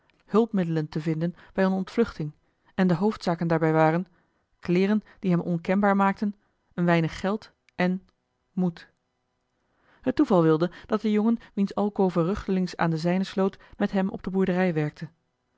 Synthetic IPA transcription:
hɵlˠpmɪdələntəvɪndən | b̥ɛjənɔntflɵχtɪŋ | ɛndəɦowftsaːkəndaːɹbɛjʋaːrən | klɪːrən | d̥iɦɛmʔɔnkɛnbaːɹmaːk̚tən | ənʋɛjnəχːɛlˠt | ɛn | mut | ɦətːuvɑlˠʋɪlˠdəd̥ɑt̚dəjɔŋənʋinsɑlˠkowvərɵχtəlɪŋsa̰ːndəzɛjnəslowtmɛtɦɛmʔɔ̰b̚dəbuːɹdərɛjʋɛɹk̚tʰə

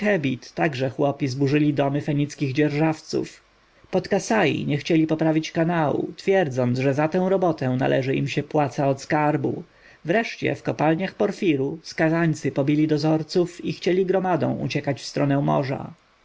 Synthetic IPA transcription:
xɛbʲit̪ːaɡʐɛxwɔpʲizbuʐɘlʲid̪ɔmɘfɛɲit̪skʲiɣd͡ʑɛɾʐaft̪sṵf | pɔt̪kasajḭɲɛxt͡ɕɛlʲipɔpɾavʲit͡ɕkanawṵt̪fʲjɛɾd̪zɔnt̪ʐɛzat̪ɛ̃w̃ɾɔbɔt̪ʰɛ̃w̃na̰lʔɛ̰ʐɘʔḭmɕɛpwat̪saɔt̪skaɾbṵ | vɾɛʂt͡ɕɛ̰fkɔpalɲaxpɔɾfʲiɾuskazaɲt̪sɘpɔbʲilʲid̪ɔzɔɾt̪sufixt͡ɕelʲiɡɾɔmad̪ɔ̰̃w̃ʔṵt͡ɕɛkat͡ɕfst̪ɾɔnɛw̃mɔ̰ʐa̰

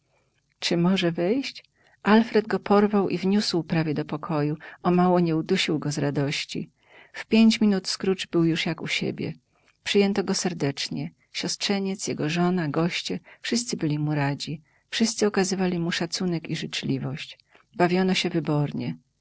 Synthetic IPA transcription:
t͡ʂɘmɔʐɛvɛjɕt͡ɕ | ʔalfɾɛd̪̚ɡɔpɔɾvawʔivɲuswpɾavʲjɛd̪ɔpɔkʰɔjuɔmawɔɲɛud̪uɕiwɡɔzɾad̪ɔɕt͡ɕḭ | fpʲjeɲt͡ɕmʲinut̪skɾut͡ʂbɘwjuʂjakṵɕḛbʲjɛ̰ | pʂɘjɛnt̪ɔɡɔsɛɾd̪ɛt͡ʂɲɛ | ɕɔstʂɛɲɛt̪sjɛɡɔʐɔnaɡɔɕt͡ɕɛfʂɘs̬t̪sɘbɘlʲimuɾad͡ʑi | fʂɘst̪sɘɔkazɘvalʲimuʂat̪sunɛkiʐɘt͡ʂlʲivɔɕt͡ɕ | bavʲjɔnɔɕɛvɘbɔɾɲɛ

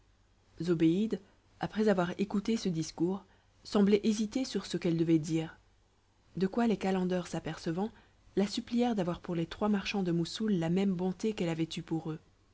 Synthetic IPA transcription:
zobeid̪ | apχɛzavwaʁekut̪esəd̪iskuʁ | sɑ̃blɛʔezit̪esyʁsəkɛld̪əvɛd̪iːʁ | d̪əkwalekalɑ̃d̪œʁsapɛʁsəvɑ̃ | lasyplijɛʁd̪avwaʁpuʁlet̪χwamaʁʃɑ̃d̪əmusulːamɛmbɔ̃t̪ekɛlavɛt̪ypuʁø

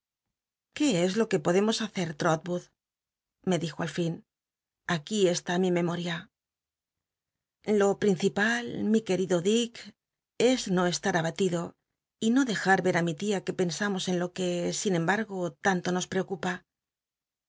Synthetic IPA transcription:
ke̞ezlo̞ke̞po̞ðe̞mo̞saθe̞ɾt̪ɾot̪̚buð | me̞ðixo̞alfin | akie̞st̪amime̞mo̞ɾja | o̞pɾin̟θipalmike̞ɾiðo̞ðik | e̞zno̞e̞st̪aɾaβat̪iðo̞ | ino̞ðe̞xaɾβe̞ɾamit̪iake̞pe̞nsamo̞se̞nlo̞ke̞sinẽ̞mbaɾɣo̞t̪ant̪o̞no̞spɾe̞okupa

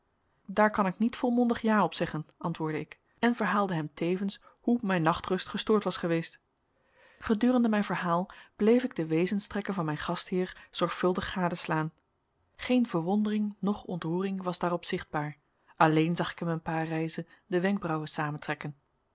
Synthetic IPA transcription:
daːɹkɑnɪknitfɔlˠmɔndəχjaːɹɔpsɛχənʔɑntʋʊːɹdəɪk | ɛnvəɹɦaːlˠdəɦɛmtejvəns | humɛjnːɑχtrɵstχəstʊːɹtʋɑsχəʋejst | χədyːrəndəmɛjnvəɹɦaːlˠb̥lejfɪɡ̚dəʋejzənstrɛkənvɑnmɛjnχɑstɦɪːɹz̥ɔɹχfɵlˠdəχːaːdəslaːn | χejnvəɹʋɔndərɪŋnɔχɔntruːrɪŋʋɑzdaːrɔpsɪχd̚baːɹ | ʔɑlejnzɑχɪ̥kəmənpaːrɛjzəndəʋɛŋɡ̚brɑwəsaːməntrɛkən

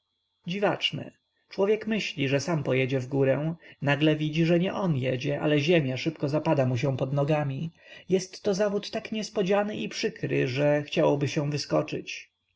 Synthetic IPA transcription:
d͡ʑiva̰t͡ʂnɛ̰ | t͡ʂwɔvʲjɛkmɘɕlʲiʐɛsampɔjɛd͡ʑɛvɡuɾɛ̃naɡlɛvʲid͡ʑiʐɛɲɛ̰ʔɔnjɛd͡ʑɛʔa̰lɛʑemʲjaʂɘpkɔzapad̪amuɕ̬ɛ̃w̃pɔd̪nɔɡamʲijɛst̪ːɔzavut̪ːakɲɛspɔd͡ʑanɘʔipʂɘkɾɘ̰ʐɛxt͡ɕawɔbɘɕɛw̃vɘskɔt͡ʂɘ̰t͡ɕ

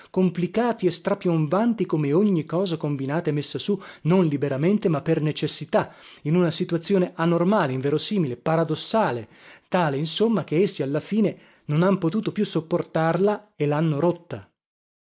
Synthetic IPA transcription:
komplikaːt̪iest̪ɾapjoɱvant̪ikomeoɲːikːɔːzakombinaːt̪emesːasunonlibeɾament̪emapːernet͡ʃesːit̪a | inunasit̪wat̪sːjoːneʔanormaːleiɱveːɾosiːmilepaɾad̪osːaːlet̪aːleinsomːak̟eesːialːafiːne | nonampot̪uːt̪opjusːopːort̪arlaelanːoɾot̪ːa̰

